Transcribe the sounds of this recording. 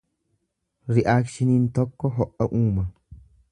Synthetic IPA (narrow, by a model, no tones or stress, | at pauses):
ɾɪʔaːkʃɪnint̪ɔkːɔɦɔʔːɐʔuːmɐ